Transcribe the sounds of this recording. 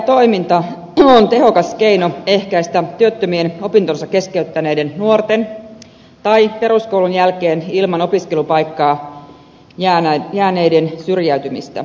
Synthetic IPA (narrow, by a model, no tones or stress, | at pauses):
t̪o̞imint̪ɑ | ont̪e̞ɦo̞kɑskeinoe̞hkæist̪æt̪yøt̪ːømieno̞pint̪onsɑkːe̞skeyt̪ːæneide̞nnuort̪en | t̪ɑipe̞ɾuskoulunjælkeːnilmɑno̞piske̞lupɑjkːɑː | jæjæːne̞jdensyrjæyt̪ymist̪æ̰